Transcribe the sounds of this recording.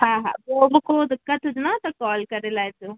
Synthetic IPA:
ɦãɦã̰boːbkoːd̪kɐt̪ʰud̪nat̪ɐkɔːlkɐɾelajt̪u

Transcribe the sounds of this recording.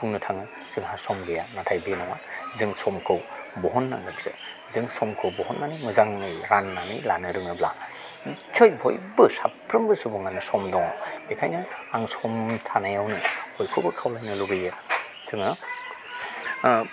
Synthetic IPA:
pʰuŋnɯtʰaŋɯ | z̥ɯŋhasɔmɡɯjanatʰajbenɔwazɯŋsɔmkʰɯwbɔɦɔnːa̰ŋɯkz̥ɯ̰ | zɯŋsɔmkʰɯwbɔhɔnːanimɯzaŋnɯjɾanːanḭjlanɯɾɯŋɯbla | t͡ʃʰojbʱo̰jbɯsapɾɯmbɯsubɔŋanɯsɔmdɔŋa̰wbekʰajnɯaŋsɔmtʰanajawnɯhʰojkʰɯwbɯkʰawlajnɯluɡɯjɯ | zɯŋɯ

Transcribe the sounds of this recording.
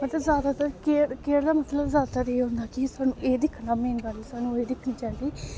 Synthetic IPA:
mət̪ləbzaːd̪aːt̪əɾkeːɾkeːɾd̪aːmət̪ləbzjaːd̪at̪əɾeːɦõːnd̪aːkisaːnũːʔeːd̪ɪkʰnaːmeːnkaːɾiːsaːnũːeːd̪ɪkʰnĩːt͡ʃaːnd̪iː

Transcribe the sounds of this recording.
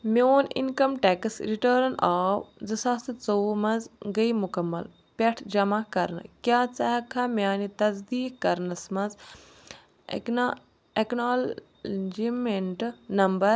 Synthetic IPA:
mʲoːnḭnkɐmʈɛksɾiʈəːɾnaːwzɨsɐst̪ɨt͡soːmɐzɡɐimukɐmːɐ̰l | pʲɐʈʰd͡ʒɐmakɐɾnɨ̰kjaːt͡sɐɦɐkʰɐmʲjaːnit̪ɐzd̪iːkkɐɾnɐsmɐz | eknaːl | d͡ʒimeɳʈnɐmbɐɾ

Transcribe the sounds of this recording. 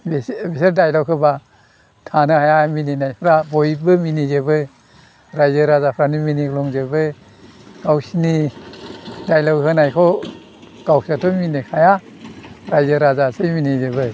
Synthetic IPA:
bebeseɾdajlawkʰɯba | tʰanɯhajamininajpʰɾabɔjbɯminizɯbɯ | ɾajzɯɾazapʰɾaniminiɡlɔŋzɯbɯ | ɡ̥awsini | dajlawkʰɯnajkʰɔ | ɡ̥awsatʰɔminikʰaja | ɾajzɯɾazasɯminizɯbɯ

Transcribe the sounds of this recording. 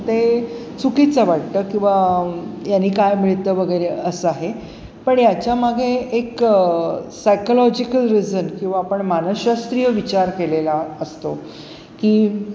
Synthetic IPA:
t̪e | t͡sukit͡səʋaʈ̚t̪əːkĩw̃ʋajanːiːkajmiɭit̪əʋəɡʱəjɾeəsəaɦe | pəɳjat͡ɕjamaɡʱeːk | sajkolɔd͡ʑikəlɾid͡zənkĩw̃ʋaːpəɳmanəɕast̪ɾijəʋit͡ɕaɾkelelaəst̪o | kiː

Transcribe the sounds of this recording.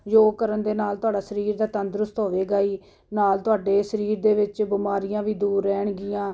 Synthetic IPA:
d͡ʒoːkəɾənd̪eːnaːlt̪ʊaːɖaːsəɾiːɾd̪aːt̪ənd̪ɾʊst̪ɦoːʋeːɡaːiː | naːlt̪ʊaːɖeːsəɾiːɾd̪eːʋɪt͡ʃbɪmaːɾɪjãːʋiːd̪uːɾːɛːɳɡɪjãː

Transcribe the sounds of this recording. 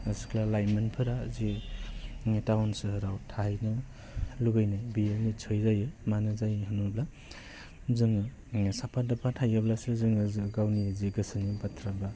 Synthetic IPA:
asikʰlalajmɯnpʰɯɾazi | tawnsɯɦɯɾawtʰajnɯ | luɡajnajbijenit͡ʃʰɯjzajɯmanɯzajɦɯnubla | zɯŋɯ | sapʰadapʰatʰajɯblasɯzɯŋɯzɯɡawniziɡɯsɯnibatʰɾabla

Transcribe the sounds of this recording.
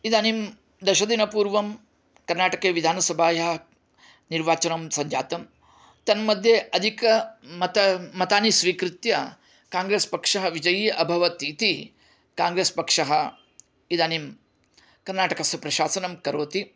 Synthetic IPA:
id̪aːnim | d̪ɐʃɐd̪inɐpuːɾʋɐm | kɐɾnaːʈɐkeːʋid̪ʱaːnɐsɐbʱaːjɐɦɐ | niɾʋaːt͡ʃɐnɐmsɐɲd͡ʒa̰ːt̪ɐm | t̪ɐnmɐd̪ʱjeʔɐd̪ʱikɐmɐt̪ɐmɐt̪aːnisʋiːkɾɪt̪jɐ | kaːŋɡɾeːspɐkʂɐɦɐʋid͡ʒɐjiʔɐbʱɐʋɐt̪it̪i | kaːŋɡɾeːspɐkʂɐɦɐ | id̪aːnim | kɐɾnaːʈɐkɐsjɐpɾɐʃaːsɐnɐmkɐɾoːt̪i

